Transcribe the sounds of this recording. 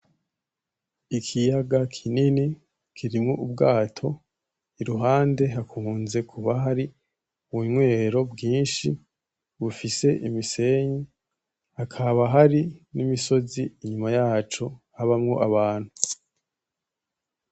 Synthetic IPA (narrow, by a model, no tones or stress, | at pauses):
ikʰijaɡakʰinini | kʰiɾimŋoʔub̚ɡaːtʰo̞ | iɾuɦaːnde̞ɦakʰunze̞kʰuβaɦaɾi | uwuɲwe̞ːɾo̞bɡiːnʃi | βufise̞ʔimise̞ɲi | hakʰaβaɦaɾinimiso̞ziːɲumajaːt͡ʃo̞haβamŋo̞ʔaβaːn̥hu